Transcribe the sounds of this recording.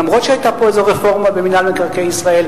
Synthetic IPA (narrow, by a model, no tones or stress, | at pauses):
amʁo̞t̪ʃeajt̪apoezeʁefo̞ʁmabeminalmekaʁkejisʁae̞l